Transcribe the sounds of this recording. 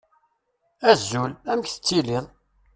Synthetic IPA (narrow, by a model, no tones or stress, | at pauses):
æzːulæməçθə̥t͡sːilɪðˤ